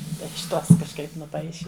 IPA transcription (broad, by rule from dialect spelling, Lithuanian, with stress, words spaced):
ɪʃ ˈtoːs kɐʃˈkɐɪp nʊˈpɐɪʃʲɪ